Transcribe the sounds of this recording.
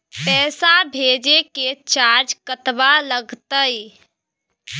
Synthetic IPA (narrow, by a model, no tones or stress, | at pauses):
pɛːsabʱeːd͡ʒeket͡ʃaːɾd͡ʒkət̪baləɡt̪əi